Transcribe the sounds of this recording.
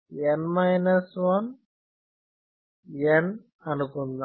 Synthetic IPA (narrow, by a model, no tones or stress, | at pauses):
enmɐjnɐsʋɐn | en | ɐnukund̪a